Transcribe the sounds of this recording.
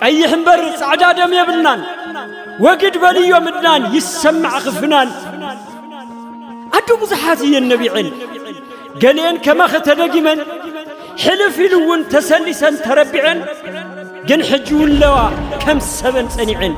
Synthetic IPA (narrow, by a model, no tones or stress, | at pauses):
kʼɐjːɪħɨnbɐɾɨt͡sʼaʕd̪ad̪ɐmjɛβɨlnan | wɔɡɨd̪bɐlɨjːo̞mɨd̪nanjɪsɐmːɨʕxɨfɨnan | ʔad̪ːobɨzuħat̪ɨjːɛnːɐβiʕɨn | ɡɐlenkʰɐmaxɨt̪ʰɐd̪ɐɡimɐn | ħɨlɨfiluwʊnt̪ʰɐsɐlːisɐnt̪ʰɐɾɐbiʕɐn | ɡɨnħɨd͡ʒːiwʊnlːɐwakʰɐmɨsɐβɐnt͡sʼɐniʕɨn